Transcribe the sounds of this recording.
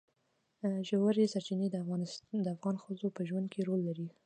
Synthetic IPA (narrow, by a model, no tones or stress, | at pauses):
ʒawaɾisaɾt͡ʃɪned̪əafɣɑnsd̪əafɣɑnxəzopəʒwand̪̚kʰeɾolːaɾi